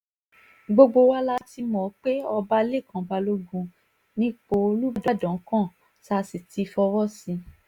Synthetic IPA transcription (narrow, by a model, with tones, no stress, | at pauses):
ɡ͡bo˧ɡ͡bo˧wa˦la˦ti˧mɔ̃˨˦k͡pe˦ɔ˧ba˦le˦˨kã˨˦ba˧lo˦ɡũ˧ | nĩ˦k͡po˧lu˦˨da˦dɔ̃˨˦kã˦˨ | sa˦˧si˨ti˨˧fɔ˧wɔ˦˨sĩ˧